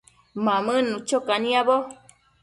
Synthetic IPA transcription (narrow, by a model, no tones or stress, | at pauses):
mãmɨ̃nũt͡ʃokanĩabo